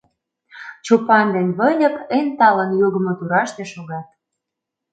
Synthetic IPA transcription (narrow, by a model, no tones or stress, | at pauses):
t͡ɕupɑnd̪enʲβə̆nʲɤ̆kent̪ɑlənjoɣə̆mŏt̪uɾɑʃt̪eʃoɣɑt̪̚